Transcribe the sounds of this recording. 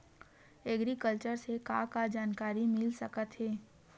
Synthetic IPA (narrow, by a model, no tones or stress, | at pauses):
ɛɡɾikəlt͡ʃəɾsekakad͡ʒaːnkaːɾimɪlsɐkət̪ɦɛː